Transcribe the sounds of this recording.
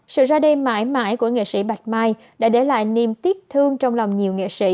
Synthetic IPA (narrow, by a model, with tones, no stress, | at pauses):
sɨ̰˧˨zaː˧ɗe˧ma̰ː˧˥jma̰ː˧˦jku˧˩əŋḛ˧˨sḭ˧˥ɓa˨˩t̚maː˧j | ɗa̰ː˧˥ɗe˧˩la̰ː˧˨jni˨˩mt̪i˦˥ət̚t̪ʰɨ˧əŋt͡ɕɔ˧wŋ͡mla˨˩wŋ͡mɲi˨˩əwŋḛ˧˨sḭ˧˥